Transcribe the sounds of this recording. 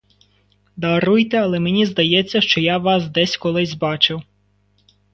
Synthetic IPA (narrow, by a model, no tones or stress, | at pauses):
d̪ɐɾujt̪ɛɐlˠɛmenʲizd̪ɐjɛt͡sʲːɐʃt͡ʃɔjaʋɑsd̪ɛsʲkɔlˠɪsʲbɑt͡ʃɪw